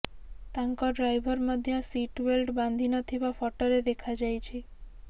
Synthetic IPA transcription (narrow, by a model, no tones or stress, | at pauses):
t̪aŋkɔɖɾajbʱɔɾmɔd̪ʱjɔsiʈwelɖband̪ʱinɔt̪ʰibafɔʈɔɾed̪ekʰad͡ʒajt͡ʃʰi